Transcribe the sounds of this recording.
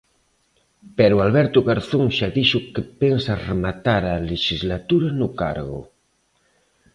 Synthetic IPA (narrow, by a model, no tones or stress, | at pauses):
pɛɾualβɛɾt̪uɣaɾθoŋʃaðiʃukepensaremat̪aɾaleʃizlat̪uɾanuka̰ɾɣṵ